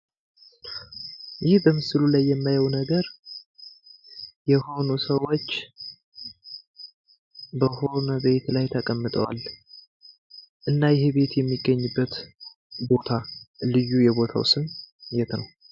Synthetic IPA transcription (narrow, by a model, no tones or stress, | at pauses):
jɪhbəmɨsɨlulajːɛmːajawnəɡəɾ | jɛho̞nusəwo̞t͡ʃː | bəho̞nəbe̞t̪lajt̪ʰəkʼəmːɨt̪ʼəwa̰l | ʔɨnːajɪɦebe̞t̪jɛmːiɡːəɲːɨbːət̪ | bo̞t̪ʰalɨjːujɛbo̞t̪ʰa̰wsɨnjɛt̪nəw